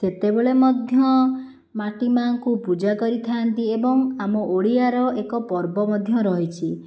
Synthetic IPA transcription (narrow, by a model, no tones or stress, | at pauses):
set̪ebeɭemɔd̪ʱjɔ | maʈimaŋkupud͡ʒakɔɾit̪ʰant̪iebɔŋamɔʔoɽiaɾɔʔekɔpɔɾbɔmɔd̪ʱjɔɾɔɦit͡ʃʰi